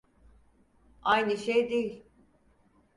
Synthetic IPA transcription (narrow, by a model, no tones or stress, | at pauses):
ajnɯʃejd̪ejilʲ